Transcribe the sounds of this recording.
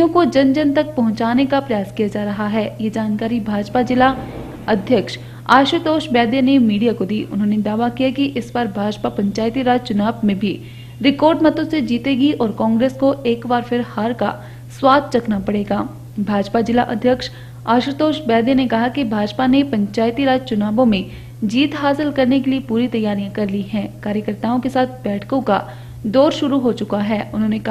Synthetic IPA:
õkod͡ʒɐ̃nd͡ʒənt̪ɐk̚pɐɦʊ̃t͡ʃaːnekapɾɐjaːskijad͡ʒaːɾɐɦaɦɛːjed͡ʒaːnkaːɾibʱaːd͡ʒpad͡ʒɪla | ɐd̪ʱjəkʃ | aːʃɾət̪oːʃbɛːd̪enemiːɖijakod̪iːʔʊ̰nɦõːned̪aːʋakijakiʔɪspɐɾbʱaːd͡ʒpapɐ̃ɲt͡ʃaːjɪt̪iɾaːd͡ʒt͡ʃʊnaːbmẽbʱi | ɾɪkɔːɾɖmɐt̪õsed͡ʒiːt̪eːɡiʔɔːɾkɔ̃ːŋɡɾeːskoʔeːkbaːɾfʰɪɾhaːɾka̰ | swaːd̪̚ʱt͡ʃɐkʰnapɐɽeːɡaː | bʱaːd͡ʒpad͡ʒɪlaʔɐd̪ʱjəkʃ | aːʃɾt̪oːʃbɛːd̪enekɐɦakibʱaːd͡ʒpanepɐ̃ɲt͡ʃaːjt̪iɾaːd͡ʒt͡ʃʊnaːbõmẽ | d͡ʒiːt̪ɦaːsɪlkɐɾnekeliepuːɾit̪ɐjːaːɾijãkɐɾliɦɛ̃ːkaːɾjəkəɾt̪aːõkesaːt̪̚ʰbɛːʈʰkõka̰ | d̪oːɾʃʊɾuɦot͡ʃʊkaɦɛːʊnɦõːnek

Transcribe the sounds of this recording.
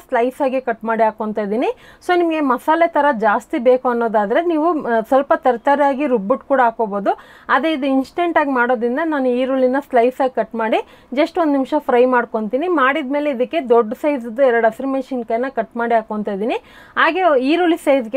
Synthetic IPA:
slɐjsaːɡekɐʈːmaːɽiɦaːkoɳt̪ajd̪iːni | so̞ːnimɐɡe̞mɐsaːlet̪ʰɐɾɐd͡ʒaːst̪ibe̞ːkuɐnːo̞ːd̪aːd̪ɐɾe̞niːʋusɐlpɐt̪ɐɾt̪aɾjaːɡiɾubːuʈkuːɽaɦaːko̞bo̞ːd̪u | ɐd̪ɾeid̪uinsʈe̞ɳʈaːɡimaːɽo̞ːd̪ɾind̪ɐnaːnuiːɾuːlinɐslɐjsaːɡkɐʈmaːɽi | d͡ʒɐsʈond̪nimʂɐpʰɾɐjmaːɽko̞ɳt̪iːnimaːɽid̪me̞ːleid̪ɐkːe̞d̪oɖːsɐjzɐd̪ːuɛɾɐɽɐfɐɾmeːʃɐnkɐjnːɐkɐʈmaːɽiɦaːkoːɳt̪aːjd̪iːni | ɦaːɡe̞iːɾuːlisɐjzɡe

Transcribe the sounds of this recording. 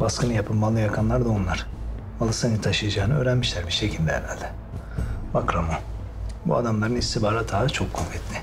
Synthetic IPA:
baskʰɯnɯjapʰɯpmalˠɯjakʰanlˠaɾd̪aonlˠaɾ̥ | malˠɯsanit̪ʰaʃɯjad͡ʒaːnɯø̞ːɾænmiʃlʲæɾbiɾʃe̞cʰilʲd̪ɛḛɾa̰lʲd̪ɛ | bakɾamo | bṵa̰d̪amlˠaɾɯnist̪ʰibaːɾat̪ʰaːt͡ʃʰo̞kʰːomfɛt̪lʲɪ

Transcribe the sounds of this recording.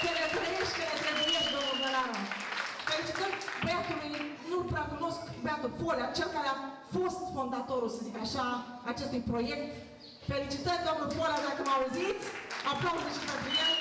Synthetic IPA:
kənet̪ɾejeʃt̪kənet̪ɾebujeʃt̪d̪əmuvəɾan | felit͡ʃit̪ənt̪beat̪ulujnulpɾakunoskkbat̪əfoleat͡ʃelkaɾea | fost̪fond̪at̪oɾulsəzikaʃaː | t͡ʃest̪ujpɾojekt̪ | felit͡ʃit̪ənd̪anəfoleaʃakəmauzit̪sʲapɾopuzet͡ʃit̪ap̪ije

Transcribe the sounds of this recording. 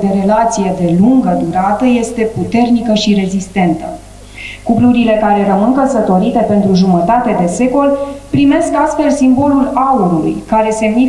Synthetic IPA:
d̪e̞ɾe̞lat̪sije̞d̪e̞luŋɡəd̪uɾat̪əje̞st̪e̞put̪e̞rnikəʃiɾe̞zist̪e̞nt̪ə | kupluɾile̞kaɾe̞ɾəmɨŋkəsət̪o̞ɾit̪e̞pe̞nt̪ɾuʒumət̪at̪e̞d̪e̞se̞ko̞lpɾime̞skast̪fe̞lsimbo̞lulauɾulṵjkaɾe̞se̞mmi

